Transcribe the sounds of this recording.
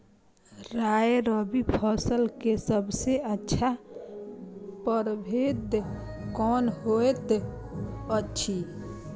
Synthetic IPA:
ɾaːeɾɔːbipʰɔːsəlkesəbseətːʃʰa | pəɾbʱeːd̪kɔːnɦoːet̪ | ətːʃʰi

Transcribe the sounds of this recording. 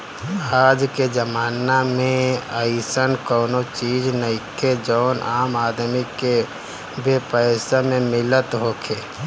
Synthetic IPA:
aːd͡ʒked͡ʒəmaːnamẽəsənkɔːnot͡ʃiːd͡ʒnəikʰed͡ʒɔːnʔaːmaːd̪mike | bepəɪsamẽmɪlət̪ɦokʰeː

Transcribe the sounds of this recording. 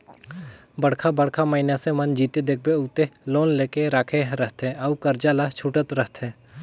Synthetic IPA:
bəɽ̤kʰabəɽkʰaməɦinasemɐnd͡ʒiːt̪ed̪ek̚ʰbeʊːt̪eloːnleːkeɾaːkʰeɦɾəɦt̪ɛ̃ɐukəɾd͡ʒaːlat͡ʃʰuːʈət̪ɾəɦt̪ɛ̃ː

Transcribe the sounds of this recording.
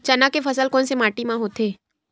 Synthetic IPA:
t͡ʃɐnakefɐsəlkɔːnsemaːʈimãɦoːt̪ʰeː

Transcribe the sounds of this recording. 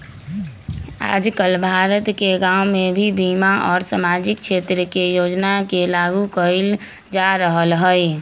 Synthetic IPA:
a̰ːd͡ʒkəlbʱaːɾət̪keɡãːʊmẽbʱibiːmaʔɔːɾsamaːd͡ʒɪkʃeːt̪ɾəkejoːd͡ʒnakelaːɡukəɾil | d͡ʒaːɾəɦəlɦəɛ

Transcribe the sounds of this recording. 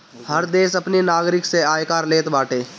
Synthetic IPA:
həɾd̪eːʃɐpninaːɡɾɪkseaːjkaːɾleːt̪baːʈeː

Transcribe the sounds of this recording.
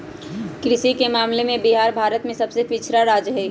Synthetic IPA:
kɾɪʃikemaːmlemẽbiɦaːɾbʱaːɾət̪mẽsəbsepit͡ʃʰɾaɾaːd͡ʒɦɛi

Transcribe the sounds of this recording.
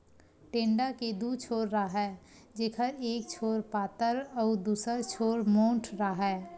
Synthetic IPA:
ʈẽːɳɖaked̪uːt͡ʃʰoːɾɾaɦɛː | d͡ʒeːkʰəɾeːk̚t͡ʃʰoːɾpaːt̪əɾɔːd̪uːsəɾt͡ʃʰoːɾmõːɳʈʰɾaɦɛː

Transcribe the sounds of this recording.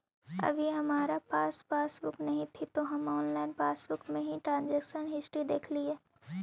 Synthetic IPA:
ɐ̰bʱiɦɐmaːɾapaːspaːsbʊknɐɦĩt̪ʰit̪oɦɐmɔːnlaːɪnpaːsbʊkmẽɦĩʈɾãːnd͡ʒɛːkʃənɦɪsʈɾid̪eːkʰlieː

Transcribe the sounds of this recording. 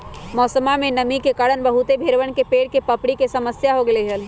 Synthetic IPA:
mɔːsəmamẽnəmikekaːɽənbəɦut̪ebʱeɾʋəɳ̃kepeːɽ̚kepəpɽikesəməsjaɦoɡeleɦəl

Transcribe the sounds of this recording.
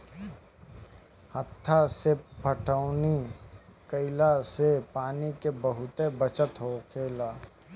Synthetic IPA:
hət̪ʰːasepʰəʈəːnikəɪlasepaːnikebəɦʊt̪ebət͡ʃət̪ɦoːkʰeːlaː

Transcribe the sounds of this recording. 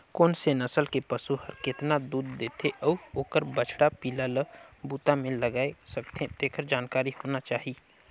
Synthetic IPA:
koːnsenəsəlkepəsuhɐɾkɪt̪nad̪uːd̪ːeːt̪ʰeʔɔːoːkəɾbət͡ʃʰɽapiːlaləbuːt̪amẽləɡaːesəbt̪ʰed̪eːkʰəɾd͡ʒaːnkaːɾihoːnat͡ʃaːɦi

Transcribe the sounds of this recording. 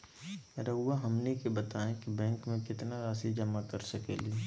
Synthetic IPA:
ɾɐuːaɦɐmnikebɐt̪aːẽkibɛ̃ːŋkmẽkɪt̪naɾaːsid͡ʒɐmakɐɾsɐkḛli

